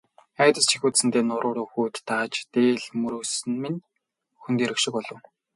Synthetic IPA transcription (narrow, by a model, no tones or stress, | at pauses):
æːt̪ə̆st͡ɕʰixʲuːt̪sɘ̆nt̪eːnʊɾʊːɾʊːxuːt̪ːaːt͡ɕt̪eːɮmɵɾɵːsɘ̆nmɘ̆n | xunt̪eːɾɵ̆kʃɪ̆kpɔɮɞ̆w